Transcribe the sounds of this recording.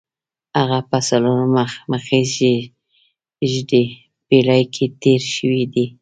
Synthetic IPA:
haɣapasalunomaxməxeze | ʒde | belajkʰet̪eɾʃəwid̪i

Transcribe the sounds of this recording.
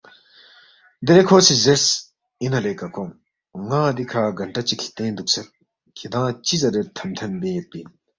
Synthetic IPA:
d̪eɾekʰoːsizeɾs | inɐlekɐkom | ŋaːd̪ikʰaːɡɐɳʈɐt͡ɕikʰi̥t̪ẽːnd̪uk̚sʰɐt̪̚ | kʰid̪ãːt͡ɕizɐɾet̪ʰɐmt̪ʰɐnbeːt̪̚pin

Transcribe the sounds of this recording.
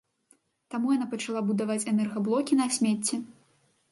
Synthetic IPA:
t̪amujanapɐt͡ʂalˠabud̪avat͡sʲɛnɛrɣɐblˠɔkʲinɐsʲmʲet͡sʲːɛ

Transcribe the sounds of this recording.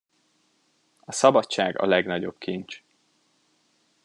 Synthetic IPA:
ɒsɒbɒtt͡ʃaːɡɒ̰lɛɡnɒɟo̞b̥kiɲt͡ʃ

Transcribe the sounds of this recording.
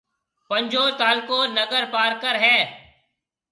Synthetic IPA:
pəɲʲd͡ʒoːɾt̪aːlkoːnəɡəɾpaːɾkəɾɦɛ̃ː

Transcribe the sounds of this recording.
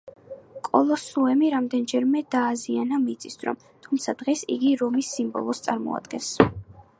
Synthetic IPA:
kʼɔlˠɔsuɛmiɾamd̪ɛnd͡ʒɛɾmɛd̪aːzianamit̪sʼisd̪ɾɔ̰m | t̪ʰumt̪sʰad̪ʁɛsḭɡiɾɔmisːimbɔ̰lˠɔst̪sʼaɾmɔ̰a̰d̪̥ɡɛns

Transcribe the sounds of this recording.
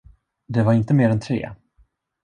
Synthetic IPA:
d̪ɛvaɾɪnt̪əmeːɾɛnt̪ʰɾḛː

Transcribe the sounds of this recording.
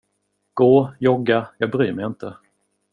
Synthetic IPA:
ɡ̥oːjɔɡajɑːɡ̚bɾyːmɛjɪnt̪ʰə

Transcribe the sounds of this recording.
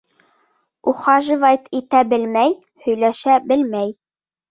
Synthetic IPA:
uχɑʒɨvɑjt̪ʰit̪æbɘlmæj | hɵ̆jlæʃæbɘlmæj

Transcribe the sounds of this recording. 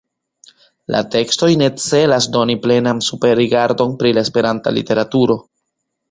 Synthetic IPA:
lʔa̰te̞ksto̞jne̞t͡se̞lasdo̞niple̞nansupe̞ɾiɡaɾdo̞npɾilaespe̞ɾanta̰lḭte̞ɾatuɾo̞

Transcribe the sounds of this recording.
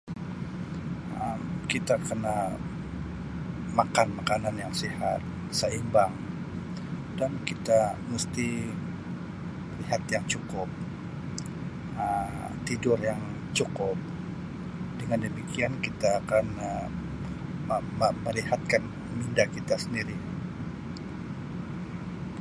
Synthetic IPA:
əmkit̪akəna | makanmakananjaŋsihat̪̚ | səimbaŋ | dankit̪amust̪i | məliɦat̪jaŋt͡ʃukʊp̚ | ə | t̪idʊrjaŋ | t͡ʃukʊp̚ | dəŋandəmikiankit̪aːkan | məməliɦat̪̚kan | mindakit̪asəndiɾi

